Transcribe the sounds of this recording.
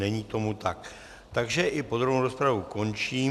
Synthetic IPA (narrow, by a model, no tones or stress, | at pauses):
ɛɲiːt̪o̞mut̪ak | t̪aɡʒɛʔɪpo̞d̪ɾovnowɾospɾavuko̞nt͡ʃiː